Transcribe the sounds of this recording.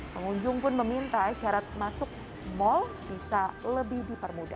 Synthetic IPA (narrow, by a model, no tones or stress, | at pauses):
pəŋuɲd͡ʒʊŋpʊnməmint̪aʃaɾat̪̚masʊk̚ | mɔlb̥isaləbɪhdipərmuda̰